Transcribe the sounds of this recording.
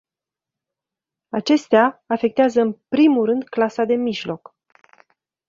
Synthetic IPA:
at͡ʃe̞st̪eaːfe̞k̚t̪eazəɨnpɾimulɾɨnd̪klasad̪e̞miʒlo̞k

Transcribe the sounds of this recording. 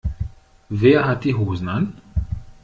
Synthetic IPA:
veaɦat̪iɦuznan

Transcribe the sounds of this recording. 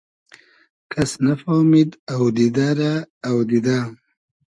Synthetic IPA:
kʰasnafoːmid̪awd̪id̪aɾaːwd̪id̪a

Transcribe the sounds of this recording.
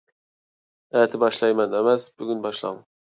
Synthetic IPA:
æt̪ʰɪbɑʃlˠɑjmɛnemɛsbyɡʲynbɑʃlˠɑ̰ŋ

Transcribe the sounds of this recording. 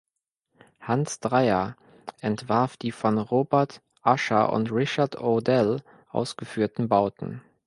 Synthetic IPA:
hansd̥ʁaɪɐ | ʔɛntv̥aɐfd̥iːfɔnʁoːbɛɐt | ʔaʃɐ̰ʔʊ̰ntʁɪʃɐtodɛl | ʔa̰ʊsɡ̥əfyːɐtn̩baʊtn̩

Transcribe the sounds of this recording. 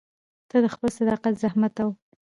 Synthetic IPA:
t̪ad̪əxpəlsad̪ɑqat̪zahmat̪awə

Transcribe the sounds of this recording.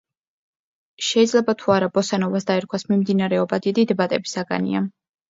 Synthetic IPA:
ʃɛid̪zlɛbat̪ʰuaɾabɔsanɔvasd̪aɛɾkʰwasmimd̪inaɾɛɔbad̪id̪id̪bat̪ʼɛbisaɡa̰nḭa

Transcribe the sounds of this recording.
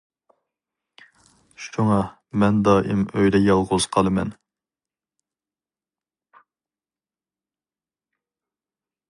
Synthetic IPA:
ʃuŋɑ | mɛnd̪ɑɪmøjd̪ɛjɑlˠʁʊz̥qʰɑlˠɨmɛ̰n

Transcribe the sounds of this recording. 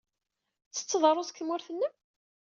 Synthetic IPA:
t͡sːə̥t͡sːəðˤɾˤoskːmʊɾθənːəm

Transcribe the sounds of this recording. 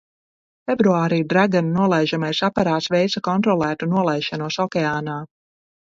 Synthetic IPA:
fʲɛbɾuaːɾiːd̪ɾaɡannuɔlˠɛjʒamajsapaɾaːsvɛjt̪sakɔnt̪ɾɔlˠæːt̪unuɔlˠɛjʃanuɔsɔkʲɛaːnaː

